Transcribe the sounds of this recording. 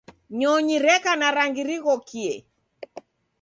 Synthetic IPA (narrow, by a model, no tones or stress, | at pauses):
ɲɔɲiɾɛkanaɾaŋɡiɾiɣɔkʰiɛ